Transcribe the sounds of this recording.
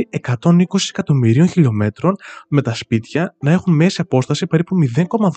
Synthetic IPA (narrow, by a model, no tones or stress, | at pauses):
ie̞kɐt̪o̞niko̞si̥sekɐt̪o̞miɾio̞nçiʎo̞me̞t̪ɾo̞nme̞t̪ɐspit̪çɐnɐe̞xunme̞siɐpo̞st̪ɐsipe̞ɾipumiðe̞ŋko̞mɐð